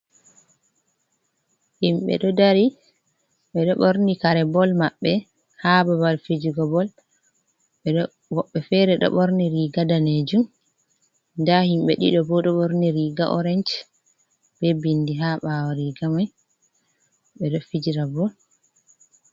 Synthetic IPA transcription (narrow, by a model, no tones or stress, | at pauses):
himɓɛ̰ɗɔdaɾi | ɓɛɗɔɓoɾnikaɾɛbɔlmaɓːɛ | hababalfed͡ʒiɡɔbɔl | ɓɛɗɔ | wɔɓːɛfɛɾɛɗɔ̰ɓoɾniɾiɡadaned͡ʒum | ndahimɓɛɗḭɗɔbɔɗɔɓoɾniɾiːɡaʔɔɾɛnt͡ʃ | b̥ɛbindiɦaɓawaɾiɡamaj | ɓɛɗɔfid͡ʒiɾabɔl